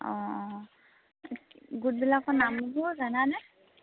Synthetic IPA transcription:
ɔ̃ | ɡut̚bilakɔnamuɡuzananɛ

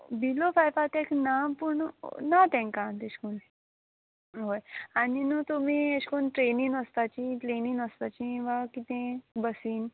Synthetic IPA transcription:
bilofajpat̪eknapuɳnat̪ɛ̃ŋkat̪eɕkun | ɦojaninũt̪um̤ieɕkunʈɾeniŋəst̪at͡ɕiʈɾeniŋəst̪at͡ɕĩʋakit̪ẽbəsiːn

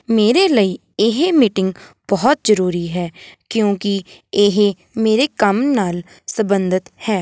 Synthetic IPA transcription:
meːɾeːləiː | ɪɦemiʈɪŋɡ | b̥ɔːt̪̚zəɾuːɾiːɦɛːkjõːkɪɪɦ | meːɾeːkəmnaːl | səbənd̪ət̪hɛː

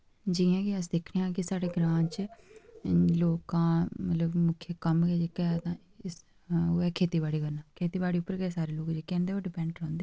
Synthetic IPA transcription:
d͡ʒiːãːkɪəs̬d̪ekʰɽeãːkɪsaːɽeːɡɾãːnt͡ʃ | loːkãːmət̪ləbmʊkʰːjəkəmɡɛːd͡ʒekɛt̪ãː | ɪs | oːɛːkʰeːt̪iːbaːɽiːɡənaːkʰeːt̪iːbaːɽiːʊpːəɾɡɛːsaːɾeːloːkd͡ʒeːkɛ̃ːnd̪eːoːɖɪpɛ̃ːɳɖɾõːnd̪eː

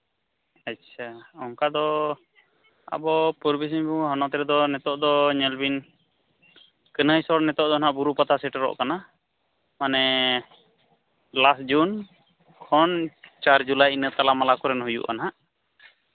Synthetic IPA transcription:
acːt͡ʃʰaɔŋkad̪ɔ | a̰bɔpuɾbis̬iɲbuɦɔnɔt̪ɾɛd̪ɔnɛt̪ɔʔd̪ɔɲɛlbin | kənəjsɔɽnɛt̪ɔʔd̪ɔnaʔbuɾupat̪asɛʈɾɔ̰ʔkana | manɛ | lasd͡ʒun | kʰɔnt͡ʃaɾd͡ʒulajinət̪alamalakɔɾɛnɦujṵʔa̰naɦaʔ

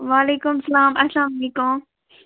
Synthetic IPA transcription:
ʋaːleːkʊmsɐlaːmɐslãːmɐleːkʊm

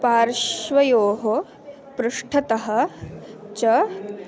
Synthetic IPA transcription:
paːɾʃʋɐjoːɦo | pɾuʂʈʰɐt̪ɐɦɐ̆ | t͡ʃɐ

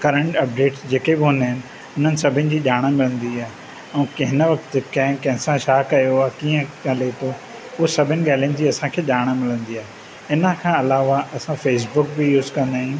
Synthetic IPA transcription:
kɐɾə̃ɳʈɐp̚ɖeːʈsd͡ʑeːkebɪɦʊ̃naːɦɪnɪ̆ | ʊn̤ənɪ̆sɐbʱɪnɪ̆d͡ʑiːʄaːɽ̃əmɪlə̃nd̪iaːe | ɛ̃ːkɐɦɪnəʋɐkət̪kɐ̃ɦɪ̃kɐ̃ɦɪ̃sãʃaːkɐjoaːɦkiːə̃əlet̪ʰo | ʊɦsɐbʱɪnɪ̆ɠaːlɪ̃nɪ̆d͡ʑiːɐsãkʰeːʄaːɽ̃əmɪlə̃nd̪iaːɦ | ɪnəkʰãːɐlaːʋaʔɐsãfeːs̬bʊk̚bɪjuːzkɐ̃nd̪aːɦĩ

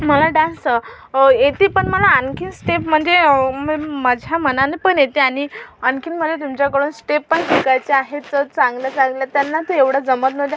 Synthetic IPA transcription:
məlaɖãnsə | jet̪iːpəɳməlaːnkʰinsʈepm̤əɳd͡zemməd͡ʑʱjam̤ənanipəɳjet̪iaɽ̃iənkinm̤əd̪ʱet̪umt͡ɕjakəɽuːnsʈepːəɳʈʰikajt͡seaɦet͡sət͡sãŋɡljat͡saŋɡljat̪janːat̪əeʋɽ̤ad͡zəmət̪məd̪ja

